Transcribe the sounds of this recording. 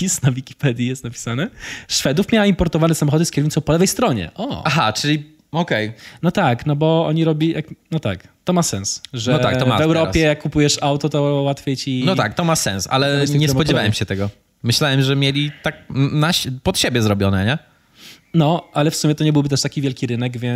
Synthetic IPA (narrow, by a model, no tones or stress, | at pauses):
pʲisnavʲikʲi̥pɛd̪ʲjijɛst̪napʲi̥sanɛʂfɛd̪ufmʲjawaimpɔɾt̪ɔvanɛsamɔxɔd̪ɨskʲɛɾvʲit̪ɔw̃pɔlɛvɛjst̪ɾɔɲɛ̰ʔɔaɦa̰t͡ʂɘlʲi | ɔkɛjnɔt̪aknɔbɔɔ̰ɲiɾɔbʲijʔaknɔt̪a̰kt̪ɔmasɛnsʐɛɔa̰kt̪ɔavɛwɾɔjɛjakːupujɛʂawt̪ɔt̪ɔwat̪fʲjejt͡ɕinnɔt̪a̰k̚t̪ɔmasɛ̰nsa̰lɛɲɛspɔd͡ʑɛvawɛmɕɛt̪ɛɡɔ | mɘɕlawɛmʐɛmʲjelʲit̪ak̚naɕpɔt̪ɕebʲjɛzɾɔbʲɔnɛ̰ɲɛ | nɔalɛfsumʲjɛt̪ɔɲɛbɘwbɘt̪̬ɛʂt̪akʲivʲjɛlkʲiɾɘnɛɡvʲjɛ